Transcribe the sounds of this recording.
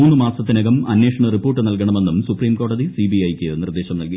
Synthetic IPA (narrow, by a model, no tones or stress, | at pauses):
uːnːɨmaːsɐt̪ːinɐɣɐmɐ̰nːeːʂɐɳɐripːoːrʈːɨnɐlkɐɳɐme̞nːumsupriːmko̞ːɽɐðisiːbiɐjkːɨnird̪e̞ːɕɐmnɐlki